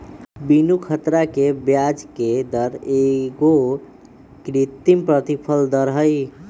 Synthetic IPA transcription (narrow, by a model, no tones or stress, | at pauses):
binukʰət̪ɾakebjad͡ʒked̪əɾeɡo | kɾit̪ːimpɾət̪ipʰəld̪əɾɦəj